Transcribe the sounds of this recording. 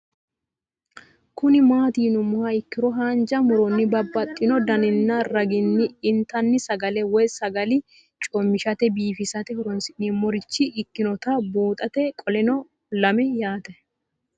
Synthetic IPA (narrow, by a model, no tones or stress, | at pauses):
kʊnɪmaːt̪iːnʊmʊhɐɪkːɪɾɔɦaːnd͡ʒɐmʊɾɔnːɪbɐbːɐt̪ʼːɪnɔd̪ɐnɪnːɐɾɐɡɪnːɪɪnt̪ɐnːɪsɐɡɐlɛwɔjsɐɡɐlɪ | t͡ʃʼɔmːɪʃɐt̪ɛbiːfɪsɐt̪ɛhɔɾɔnsɪʔnimɔɾɪt͡ʃːɪʔːkːɪnɔt̪ɐbuːt̪ʼɐt̪ɛkʼɔlɛnɔ | lɐmɛjaːt̪ɛ